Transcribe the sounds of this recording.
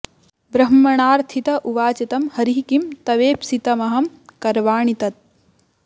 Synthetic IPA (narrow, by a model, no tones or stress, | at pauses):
bɾɐɦmːɐɳaːɾt̪ʰit̪ɐʔuʋaːt͡ʃɐt̪ɐmhɐɾiɦikimt̪ɐʋeːpsit̪ɐmɐɦɐmkɐɾʋaːɳit̪ɐt̪̚